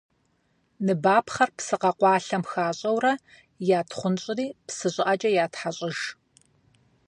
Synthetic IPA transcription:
nɨbaːpχɐrpsɨqɐqʷɑːɬɐmxaːɕʼɐwrɐ | jaːtʰχʷʊnɕʼɪriːpsɨɕʼɪʔɐt͡ʃʼɐjaːtħaɕʼɪʒ

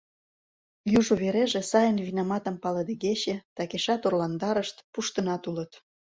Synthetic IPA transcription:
juʒuβeɾeʒĕsɑjənβinɑmɑt̪ə̆mpɑlɤd̪eɡeɕet̪ɑkeʃɑt̪orlɑnd̪ɑɾəʃt̪puʃt̪ə̆nɑt̪ulə̆t̪

